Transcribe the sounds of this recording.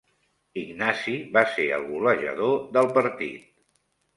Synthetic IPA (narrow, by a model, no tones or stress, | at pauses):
iɡnaziβaseə̰lˠɣuləʒə̰ðoðəlˠpəɾt̪ḭt̪